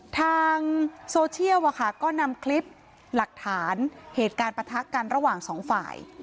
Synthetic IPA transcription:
t̪ʰaː˧ŋsoː˧t͡ɕʰi˥˩əwʔa˨˩kʰa˥˩kɔː˥˩na˧mkʰli˦˥p̚ | la˨˩k̚t̪ʰaː˩˦nheː˨˩t̪̚kaː˧npɾa˧t̪ʰa˦˥kːa˧nɾa˧waː˨˩ŋsɔː˩˦ŋfa̰ː˨˩j

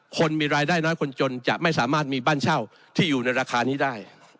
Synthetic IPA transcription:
kʰo˧nmiː˧ɾaː˧jdaː˥˩jnɔː˦˥jkʰo˧nt͡ɕo˧nt͡ɕa̰˨˩ʔma˥˩jsaː˩˦maː˥˩t̪̚miː˧baː˥˩nt͡ɕʰa˥˩w | t̪ʰiː˥˩juː˨˩na˧jɾaː˧kʰaː˧niː˦˥daː˥˩j

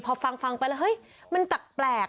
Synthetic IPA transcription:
pʰɔː˧fa˧ŋfa˧ŋpa˧jlːwhɤ˦˥j | ma˧nt̪a˨˩k̚plɛː˨˩k

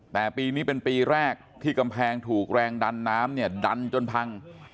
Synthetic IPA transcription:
t̪ɛː˨˩piː˧niː˦˥pe˧npiː˧ɾɛː˥˩k̚t̪ʰiː˥˩ka˧mpʰɛː˧ŋt̪ʰuː˨˩k̚ɾɛː˧ŋda˧nːaː˦˥mni˥˩ɐda˧nt͡ɕo˧npʰa˧ŋ

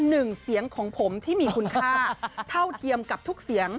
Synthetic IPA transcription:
nɯ˨˩ŋsi˩˦əŋkʰɔː˩˦ŋpʰo˩˦mt̪ʰiː˥˩miː˧kʰu˧nkʰaː˥˩t̪ʰa˥˩wt̪ʰi˧əmka˨˩p̚t̪ʰu˦˥k̚si˨˩˦əŋ

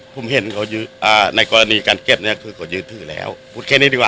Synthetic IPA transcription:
pʰo˨˧˦mhe˨˧˦nkʰa˨˧˩wjɯː˧ʔaː˧˩na˧˥jkɔː˧la˧niː˨˧˦kaː˨˧nke˧˩p̚ni˦˥˩kʰɯː˧kʰa˨˧˩wjɯː˧nt̪ʰɯː˧˩lɛ̰ː˦˥˩wpʰuː˨˧˩t̪̚kʰɛː˧˩niː˧˩di˧˩waː˧˨

